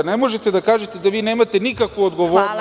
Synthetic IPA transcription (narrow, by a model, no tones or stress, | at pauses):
nemoʒet̪ed̪akaːʒet̪ed̪aʋiːnemat̪enikakʋuod̪ɡoʋoːɾn